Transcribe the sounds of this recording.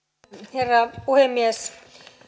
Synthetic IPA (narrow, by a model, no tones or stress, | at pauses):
herːɑpuhemːiæs